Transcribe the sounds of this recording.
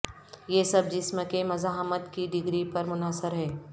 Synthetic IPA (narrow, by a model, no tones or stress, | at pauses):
jeːsɐb̚d͡ʒɪsməkemɐzaːɦmət̪kiɖɪɡɾipɐɾmʊnəsəɾɦɛː